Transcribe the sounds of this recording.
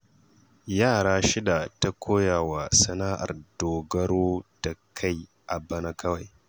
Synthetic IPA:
jaː˦˨ɽaː˦ʃɪ˦da˨ta˦kʷʰoː˦jaː˨wa˨sɐ˨naː˦ʔa̰˨rdoː˨ɡɐ˦ɾoː˦d̥a˨kʰa˦˨j | ʔa˨bɐ˦na˦kʰɐ˦wa˨j

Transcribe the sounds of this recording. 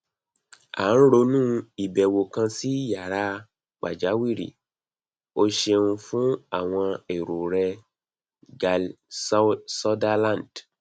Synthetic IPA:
a̰˨˦n̩˦ɾo˧nũː˦i˨bɛ˨wo˨kã˧si˦˨ja˨ɾa˧˦ | k͡pa˨d͡ʒa˨˦wi˦˨ɾḭ˨ | o˦ʃe˧ũ˧fũ˦a˦˨w̃ɔ̃˧e˨ɾo˨ɾɛ˧˨ | sɔ˦da˧lã˦˨nd

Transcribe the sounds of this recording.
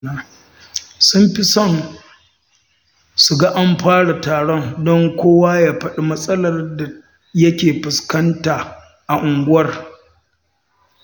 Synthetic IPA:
a˦˨ | sʊ˦mɸi˦sɔ˦˨n | su˨ɡa˦ʔa˦mɸaː˦ɽa˨taː˨ɽɔ˦ndɔ˦ŋkʷoː˦waː˦jaː˨ɸɐ˦ɗi˨mɐ˦sʼɐ˦lɐ˨rda˨ | jɐ˦kʲeː˨ɸʊ˨skɐ˦ntaː˨ | ʔa˨ʔʊ˨ŋɡʊ˦wɐ˦r

